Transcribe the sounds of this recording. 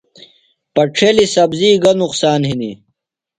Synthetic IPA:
pɐʈ͡ʂʰeːlisɐbziːɡɐnuqsaːnhini

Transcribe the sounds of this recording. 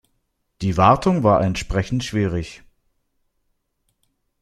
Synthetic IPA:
d̥iːvaɐtʰʊŋvaːɐʔɛntʃpʁ̥ɛçn̩tʃv̥iːʁɪç

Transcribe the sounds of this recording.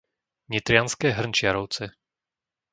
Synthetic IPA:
ɲit̪ɾɪanskɛːɦr̩nt͡ʃɪaɾɔʊt͡sɛ

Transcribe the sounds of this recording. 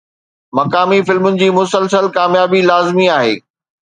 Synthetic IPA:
mɐkaːmifɪlmʊnɪ̆d͡ʑiːmʊsəlsəlkaːmjaːbilaːzmiaːɦḛː

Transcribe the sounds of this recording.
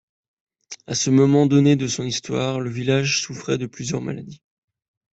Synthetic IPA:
asəmɔmɑ̃d̪ɔned̪əsɔ̃nist̪waʁləvilaʒsufχɛd̪əplyzjœʁma̰la̰d̪i

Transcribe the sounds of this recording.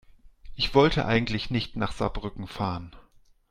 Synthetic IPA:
ʔɪçv̥ɔltʰəʔa̰ɪɡŋ̩tlɪçnɪçtnaːχz̥a̰bʁʏkŋ̩faːʁən

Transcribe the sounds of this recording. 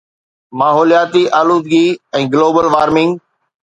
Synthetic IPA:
maːɦɔːlijaːt̪iʔaːluːd̪ɡiɛ̃ːɡloːbəlʋaːɾmɪ̃ŋɡ

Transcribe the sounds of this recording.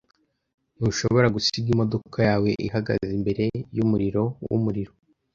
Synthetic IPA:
nuʃo̞βo̞ɾaɡusiɡimo̞do̞kʰajaːwe̞ʔihaɡa̰zimbe̞ɾe̞jumuɾiɾo̞wṵmuɾiɾo̞

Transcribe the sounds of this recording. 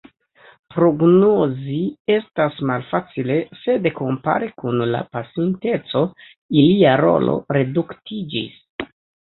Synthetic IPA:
pɾo̞ɡnozie̞stasmalfat͡sile̞se̞deko̞mpa̰ɾekunla̰pasinte̞t͡so̞ | iliaɾo̞̰lo̞̰ɾe̞duktʰid͡ʒḭs

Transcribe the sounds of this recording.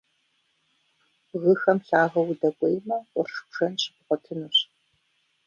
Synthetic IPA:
ɣɨxɐmɬaːʁɐwudɐkʷʼejmɐqʷʼɔrʂʷʒ̥ɐnɕɪpʊqʷɔtʰɨnuɕ

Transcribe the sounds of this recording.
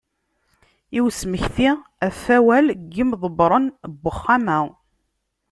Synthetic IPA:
iwsməçθi | æfæwælɡːimðˤəbɾˤənbːəχːamæ

